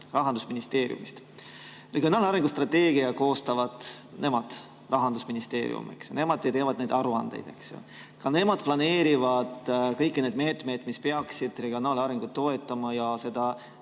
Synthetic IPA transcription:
rɑɦɑnd̪usminist̪e̞ːɾḭṵmist̪ | reɡio̞nɑːlɑɾeŋɡ̥ust̪rɑt̪ːe̞ːɡ̥iɑko̞ːst̪ɑvɑd̪̥nʔe̞mɑd̪̥ | rɑɦɑnd̪usminist̪e̞̰ːɾḭṵmḛksjone̞mɑd̪ˑejt̪e̞ːvɑd̪ne̞jd̪ɑɾuɑnd̥̪ḛjd̪̥e̞̰ksjo̰ | kɑne̞mɑd̪̥̚plɑne̞ːɾivɑd̪̥kɤjkːine̞d̪me̞ːt̪ˑme̞jd̪̥mispeɑksid̪̥re̞ɡio̞nɑːlɑɾeŋɡ̥ut̪ːo̞e̞t̪ˑːɑmɑjɑse̞d̪̥ɑ

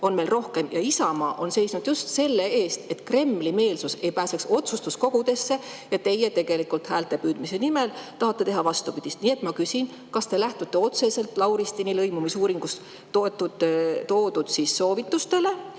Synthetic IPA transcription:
o̞nme̞jlro̞hke̞mjɑisɑmɑːʔo̞nse̞jsnud̪̥just̪se̞lːe̞e̞ːst̪e̞t̪kre̞mːlime̞ːlsuse̞jpæːsekso̞t̪sust̪usko̞ɡ̥ud̪e̞sːe̞ | jɑt̪e̞je̞t̪e̞ɡ̥e̞likːult̪hæːlt̪e̞pyːd̪mise̞nimelt̪ɑɦɑt̪ːe̞t̪e̞ɦɑvɑst̪upid̪̥ʲist̪nie̞t̪mɑkysʲin | kɑst̪e̞læht̪ut̪ːˑe̞o̞t̪se̞se̞lt̪ˑlɑwɾist̪inilɤjmumisuːɾiŋɡ̥us | t̪ot̪ːud̪t̪o̞ːd̪ud̪̥sisːo̞ːvit̪ːust̪e̞le̞

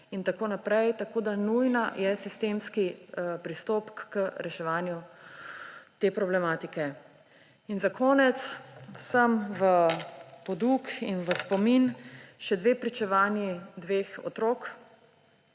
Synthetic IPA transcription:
int̪akoːnapɾɛjt̪akoːd̪anujnajɛsist̪eːmskipɾist̪oːpkːəɾɛʃɛʋaːnju | t̪eːpɾɔblɛmaːt̪ikɛ | inzakʰɔːnɛt̪swsəmʋəpɔd̪ukinʋəspɔminʃɛd̪ʋeːpɾit͡ʃɛʋaːnjid̪ʋeːxɔ̰t̪ɾok

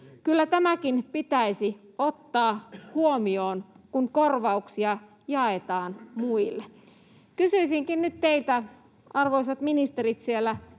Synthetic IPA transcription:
kylːæt̪æmækinpit̪æisiot̪ːɑːhuomioːnkunkorʋɑuksiɑ | jɑet̪ɑːnmuilːe | kysyisiŋkinnyt̪t̪eilt̪æ | ɑrʋoisɑt̪minist̪eɾit̪sielːæ

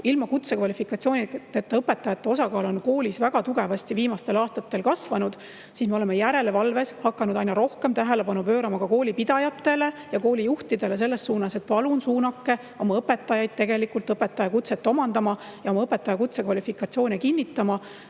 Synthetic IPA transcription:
ilmɑkut̪sekvɑlifikːˑɑt̪sio̞ːnʲid̪̥et̪ːeɤpːe̞t̪ːˑɑjɑt̪ːe̞osɑkɑːlo̞nko̞ːlʲisvæɡ̥ɑt̪uɡ̥e̞vɑst̪iviːmɑst̪e̞lɑːst̪ɑt̪ːe̞lkɑsvɑnud̪̥ | sismeo̞lemejæɾe̞le̞vɑlve̞shɑkːɑnud̪ɑjnɑɾo̞hke̞mt̪æɦe̞le̞pɑnupø̞ːɾɑmɑkɑko̞ːlʲipid̪̥ɑjɑt̪ːe̞le̞jɑko̞ːlijuht̪id̪̥e̞le̞s̬e̞lːe̞sːuːnɑse̞t̪̚pɑlunsuːnɑkːe̞ | o̞mɑɤpːe̞t̪ːˑɑjɑjd̪̥̚t̪e̞ɡe̞likːˑult̪ɤpːet̪ːˑɑjɑkut̪set̪ːˑo̞mɑnd̪ɑmɑ | jɑo̞mɑɤpːe̞t̪ːˑɑjɑkut̪sekvɑlʲifikˑɑt̪sio̞ːnʲekinʲːit̪ːˑɑmɑ

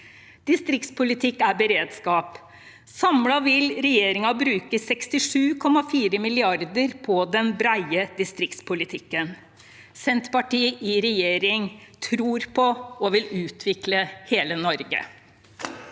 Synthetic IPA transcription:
d̪̥ɪst̪ɾɪk̚t̪spʊlɪt̪ʰɪkːæɾbəɾeːd̪skɑːp | sɑmlɑʋɪlɾɛjeːɾɪŋɑbɾʉːkəsɛkst̪ɪʂʉːkʰɔmːɑfiːɾəmɪlɪɑɾd̪əɾpʰɔd̪ɛnbɾæɪəd̪ɪst̪ɾɪk̚t̪spʊlɪt̪ʰɪkːən | sɛnt̪pɑʈʰiːʔɪɾɛjeːɾɪŋt̪ʰɾuːɾpʰɔɔʋɪlʉːt̪ʰʋɪkləheːlənɔɾɡə̰

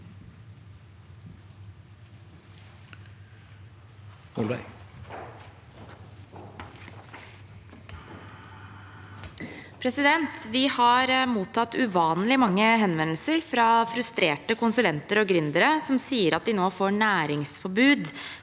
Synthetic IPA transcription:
ɔlbæ | pʰɾɛsɪd̪ɛnt̪ʋɪhɑːɾmuːt̪ʰɑt̪ʉʋɑːnlɪmɑŋːəɦɛnʋɛnl̩səɾfɾɑfɾʉst̪ɾeːʈəkʊnsʉlɛnt̪əɾɔːɡɾʏnd̪əɾəsɔmsiːəɾɑt̪̚d̪ɪnoːfoːɳæːɾɪŋsfɔbʉːd̪

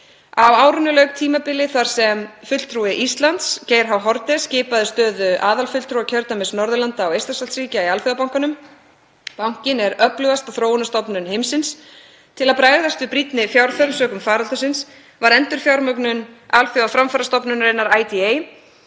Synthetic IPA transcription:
avaːwɾʏnːʏlœɥkt̪ʰiːmapɪlɪθaɾ̥sɛmfʏt̪l̥t̪ʰɾuɪʔist̪lant̪sceːjɾ̥ɦawɦɔɾt̪ɛscɪːpaðɪst̪œːðʏʔaːðalfʏt̪lt̪ʰɾuacʰœɾt̪amɪsnɔɾðʏlant̪aːwejst̪asalsɾiːcaialfjʏðapawŋkanʏm | pawŋ̥cɪnɛɾœplʏvast̪awθɾoːwʏnast̪ɔpnʏnhɪmsɪns | t̪ʰɪlaðpɾaːjðast̪vɪpɾit̪nɪfjawɾθœɾsœːkʏmfaːɾalt̪asɪns | vaɾɛnt̪ʏɾ̥fjawɾmœknʏnalfʏðafɾamfaɾast̪ɔpnʏnreːjnaɾaːjt̪iej

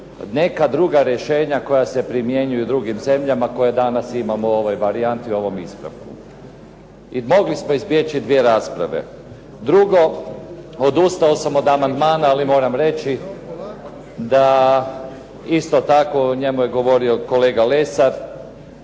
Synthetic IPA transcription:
ne̞kad̪ɾuɡaɾjeʃe̞ːɲako̞jase̞pɾimje̞ɲujud̪ɾuɡimze̞mʎamako̞jed̪anasimamuo̞ʋojʋaɾiant̪iuo̞ʋo̞mispɾa̰ʋkṵ | imo̞ɡlismo̞izbjet͡ʃid̪ʋie̞ɾaːspɾa̰ʋḛ | d̪ɾuɡo̞ | od̪ust̪ao̞samo̞d̪amand̪maːnaːlimo̞ːɾamɾe̞t͡ʃi | d̪a | ist̪o̞t̪ako̞ɲe̞muje̞ɡo̞ʋo̞ɾio̞ko̞le̞ːɡale̞saɾ

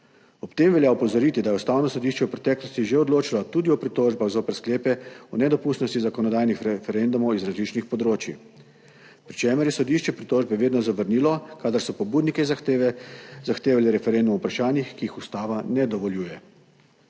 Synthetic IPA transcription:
ɔpt̪eːmʋɛljaɔpɔzɔɾiːt̪id̪ajɛust̪aːwnɔsɔd̪iʃt͡ʃɛuwpɾɛt̪ɛːklɔst̪iʒeɔd̪loːt͡ʃilat̪ud̪iɔpɾit̪oːʒbaɣzoːpəɾskleːpɛɔnɛd̪ɔpuːst̪nɔst̪izakɔnɔd̪ajnixɾɛfɛɾend̪umɔwizɾazlit͡ʃnixpɔd̪ɾoːt͡ʃi | pɾit͡ʃeːmɛɾjɛsɔd̪iʃt͡ʃɛpɾit̪oːʒbɛʋeːd̪nɔzaʋəɾniːlɔkad̪aɾsɔpɔbuːd̪nikɛzaxeʋɛzaxt̪eːʋaliɾɛfɛɾɛnd̪umupɾaʃaːnjixkijixust̪aːʋanɛd̪ɔʋɔljuːjɛ

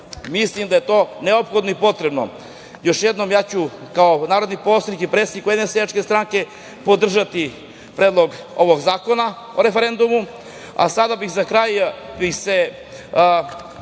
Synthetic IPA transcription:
mislˠimd̪ajet̪oːneopxod̪noipo̞t̪ɾe̞bno̰ | jo̞ʃjed̪nomjaːt͡ɕukaonaːɾod̪niposlˠad̪nikipɾet̪sed̪ikujed̪neseat͡ʃkest̪ɾaŋke̞ | pod̪r̩ʒat̪i | pɾeːd̪lˠo̞ɡ | o̞ʋoɡzaːkona | oɾefeɾend̪umu | a̰sad̪abixzakɾajbixse

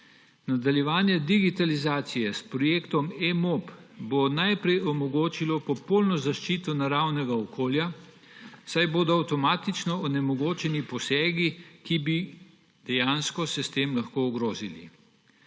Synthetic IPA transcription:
nad̪aljɛʋaːnjɛd̪iɡit̪alizaːt̪sijɛspɾɔjeːkt̪ɔmemopbonajpɾɛjɔmɔɡoːt͡ʃilɔpɔpolnɔzaʃt͡ʃiːt̪ɔnaɾawnɛɡaɔkʰoːlja | sajboːd̪ɔawt̪ɔmaːt̪it͡ʃnɔɔnɛmɔɡoːt͡ʃɛnipɔsɛːɡikibi | d̪̥ɛjaːnskɔsɛst̪eːmlɐxkoːɔɡɾoːzilḭ

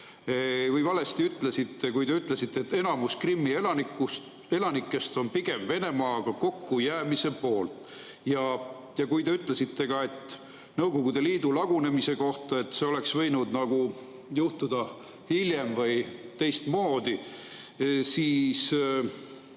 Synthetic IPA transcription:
vɯjvɑle̞st̪iyt̪le̞sit̪ːe̞kujd̪e̞yt̪ˑle̞sit̪ːeet̪ːe̞nɑmuskrimːie̞lɑnikːus | e̞lɑnikːˑe̞st̪o̞npiɡe̞mve̞ne̞mɑːɡ̥ɑko̞kːujæːmise̞po̞ːlt̪ | jɑ | jɑkujd̪e̞yt̪ˑle̞sit̪ːe̞ɡɑe̞t̪ːˑ | nɤwko̞ɡud̪e̞liːd̪ulɑɡ̥une̞mise̞ko̞ht̪ɑe̞t̪ːˑseo̞le̞ksvɤjnud̪nɑɡ̥u | juht̪ud̪̥ɑ | hilje̞mvɯjt̪e̞jst̪mo̞ːd̪̥i | siːs

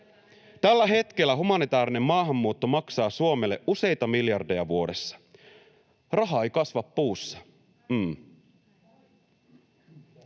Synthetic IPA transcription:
t̪ælːæɦe̞t̪k̟e̞lːæɦumɑnit̪æːɾine̞mːɑːɦɑmːuːt̪ːo̞mɑksɑːsuome̞lːe̞ʔʔuse̞jt̪ɑmiljɑrde̞jɑʋuode̞sːɑ̥ | rɑɦɑejkɑsʋɑpːuːsːɑ̥

